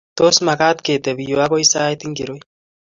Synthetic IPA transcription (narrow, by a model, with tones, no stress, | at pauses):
t̪o˦sma˨ka˦t̪ke˨t̪e˨bi˨jo˨a˦ɡo˦i˦saː˦jt̪i˦ŋɡi˨ɾo˦j